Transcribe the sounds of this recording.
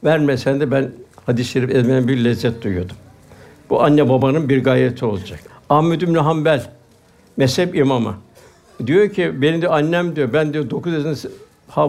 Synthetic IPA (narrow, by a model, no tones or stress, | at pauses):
væɾmɛsɛnd̪ɛbænhad̪isjeɾipɛzʲmej̪ænbiɾlʲɛzːɛt̪̚d̪ujujo̞d̪um | b̥uʔanːababanɯnbiɾɡaːjɾet̪ʰio̞lˠad͡ʒakahmed̪ymnʲuɦambælʲ | mɛshɛpimama̰ | d̪ijo̞ɾcʰibenid̪ɛanʲːɛmd̪ijobænd̪ijo̞ɾd̪o̞kuzezin | ha